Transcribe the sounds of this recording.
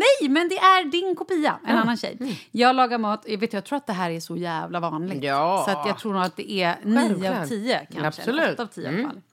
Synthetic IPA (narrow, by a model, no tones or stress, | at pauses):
nɛjmɛnd̪ɛʔæɾɖɪnkʰʊpiːa̰ɛnanːanɕɛ̰jjɑːɡlɑːɡaɾmɑːt̪jɑveːt̪jɑɡt̪ʰɾuːɾat̪d̪ɛɦæːɾæʂɔjæːvlavɑːnlɪɡsɔat̪jɑːɡt̪ʰɾuːɾnuːɡat̪̚d̪ɛʔɛnilːəavʰiːəkʰa̰nʂət̪ːaːvt̪ʰiːəɑ̰nlɪɡ̪